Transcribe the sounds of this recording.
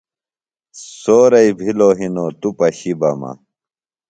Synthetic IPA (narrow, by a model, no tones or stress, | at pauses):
soːɾɐibʱiloːɦinoːt̪upɐɕibɐmɐ̰